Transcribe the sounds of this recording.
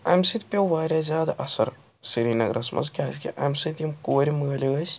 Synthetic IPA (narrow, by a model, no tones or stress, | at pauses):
ɐ̰msɨt̪ʲpʲeʋaːɾʲjaːzʲjaːd̪aʔɐsɐ̰ɾ | siɾiːnɐɡɾʔɐsmʔɐ̰nzkʲaːskʲḭʔɐ̰msɨt̪ʲimkoːɾʲiməːlʲiɐsʰ